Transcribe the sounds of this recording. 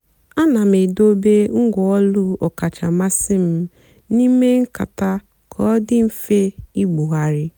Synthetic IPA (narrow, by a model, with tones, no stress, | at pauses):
a˦na˨me˨do˦be˦ŋ̩˦ɡɔ˨ɔ˦lu˦ɔ˨ka˨t͡ʃa˨ma˦sɪ˦m̩˦ | ni˦me˦ŋ̩˦ka̰˨ta˦ | kʰɔ˦dɪ˦m̩˦fe˦i˦ɡ͡bu˨ɦa˨ɾɪ˦